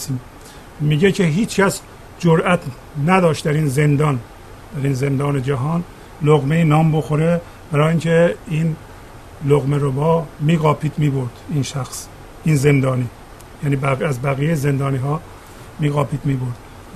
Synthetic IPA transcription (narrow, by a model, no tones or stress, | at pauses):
siː | miːɟecʰeɦiːt͡ʃcʰæs | d͡ʒoɾʔæt̪ʰ | næd̪ɒːʃt̪d̪æɾiːnze̞nd̪ɒːn | d̪̥æɾiːnzend̪ɒːned͡ʒæɦɒːn | loɣmeiːnɒːmbo̞xoɾe | b̥æɾɒːjiːŋcʰeiːn | loɣmeɾobɒːmiːɣɒːpʰiːd̪miːboɾd̪̥iːnʃæxs | iːnze̞nd̪ɒːniː | jæːniːbææzbæɣiːjejzend̪ɒːniːɦɒː | miːɣɒːpʰiːd̪miːboɾd̪̥